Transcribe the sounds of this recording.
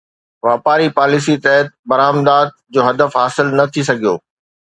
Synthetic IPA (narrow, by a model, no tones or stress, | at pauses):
ʋaːpaːɾipaːlɪsit̪ɐɦət̪̚bɐɾaːmd̪aːd̪̚d͡ʑoːɦɐd̪əfɦaːsɪlnɐt̪ʰis̬ɐɡʱijoː